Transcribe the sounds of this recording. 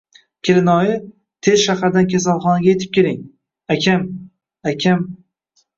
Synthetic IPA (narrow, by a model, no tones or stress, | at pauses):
kʲʰɪɾɪnɒjɪ | t̪ʰe̞zʃahaɾd̪ankʲʰas̬alˠχɒnaɡʲajet̪ʰɪ̥p̚kʲelɪŋ | akʲʰam | akʲʰam